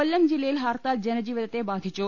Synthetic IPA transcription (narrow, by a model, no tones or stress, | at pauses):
əlːəmd͡ʑilelɦaɾt̪ald͡ʑɐnd͡ʑiːʋəd̪ət̪ebaːd̪ʱit͡ʃo